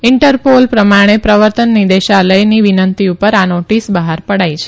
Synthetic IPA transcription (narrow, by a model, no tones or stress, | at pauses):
ɪɳʈəɾpolpɾəmaɽ̃epɾəʋəɾt̪ənːid̪eʃaləjniʋinənt̪iupəɾanoʈisbəɦaɾpəɽajt͡ʃʰe̥